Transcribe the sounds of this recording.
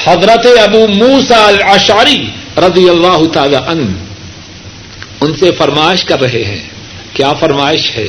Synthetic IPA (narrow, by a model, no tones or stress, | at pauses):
hɐd̪ɾət̪eɐbuːmuːsaɐlɐʃʕəɾiɾɐd̪ijɐlːaːɦʊt̪aːlaʔɐn | ʊnsefɐɾmaːɪʃkɐɾːɐɦeɦɛ̰̃ː | kjaːfɐɾmaːɪʃhɛ̰ː